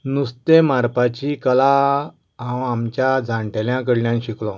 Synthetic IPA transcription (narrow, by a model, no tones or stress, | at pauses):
nust̪emaɾpat͡ɕikəla | ãwamt͡ɕjad͡zʱãɳʈeljãkəɽljãnɕiklɔ̃